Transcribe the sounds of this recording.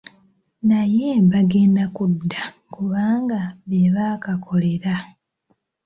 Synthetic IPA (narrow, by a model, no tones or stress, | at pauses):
najeβaɡe̞ːndakudːa | kuβaːŋɡaβjeβaːkakʰo̞le̞ɾa